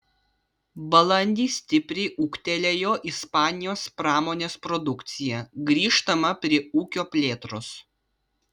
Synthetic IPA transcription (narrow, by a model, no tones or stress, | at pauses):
bɐlˠɐnʲd̪ʲiːsʲt̪ʲɪpʲɾʲɛɪʔuːkt̪ʲɛlʲejoːʔispɑːnʲɪjoːspɾɑːmoːnʲeːspɾɔd̪ʊkt̪sʲɪjɛɡɾʲiːʃt̪ɐmɐpʲɾʲiɛuːkʲoːpʲlʲeːt̪ɾʊs